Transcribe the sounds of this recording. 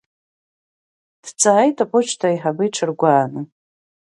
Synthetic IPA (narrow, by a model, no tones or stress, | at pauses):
d̥t͡sʰʼaajtʰʼapʰʼʊt͡ʃʰʼtʰaiħabɨjʈ͡ʂʰɨrɡʷaːnɨ